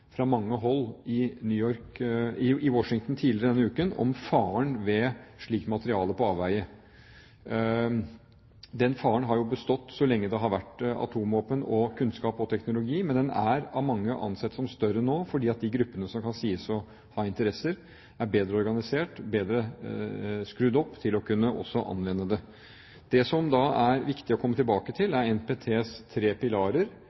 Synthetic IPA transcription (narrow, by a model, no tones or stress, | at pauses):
fɾɑmɑŋːəɦɔlːɪnyːɔɾk | ɪwɔʂɪŋt̪n̩t̪ʰiːlɪɾəd̪ɛnːəʉːkənɔ̰mfɑːəɳʋɛʂɭiːk̪mɑt̪əɾɪɑːləpɔɑːʋʋæɪə | d̪ɛnfɑːəɳɦɑɾjʊbəst̪ɔt̪ːsɔlɛŋːəd̪ɛɦɑɾʋæʈːɑ̰t̪ʰuːmoːpənɔkʰʉnskɑːpɔt̪ʰɛknʊlʊɡiːmɛnd̪ɛnæ̰ɾɑʋmɑŋːəʔɑ̰nsɛt̪ːsɔmst̪œɾənoːfɔɖiːɑt̪̚d̪ɪɡɾʉpːənəsɔmkʰɑnsiːəsɔ | hɑːɪnt̪əɾɛsəɾ | æɾbeːd̪ɾəɔɾɡɑnɪseːʈbeːd̪ɾə | skɾʉd̪ɔpːt̪ʰɪlɔkʰʉnːəʔɔ̰sːɔʔɑ̰nʋɛnːəd̪ɛ | d̪̥ɛsɔmd̪ɑæɾʋɪkt̪ɪɔkʰɔmːət̪ɪlbɑːkət̪ʰɪlæɾɛnpʰeːt̪ʰeːst̪ʰɾeːpɪlɑːɾəɾ